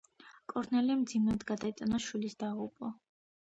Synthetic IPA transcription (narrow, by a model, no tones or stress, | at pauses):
kʼɔɾnɛlɛmd̪zimɛd̪ɡad̪ait̪sʼnaʃwilisd̪aʁupʼɔ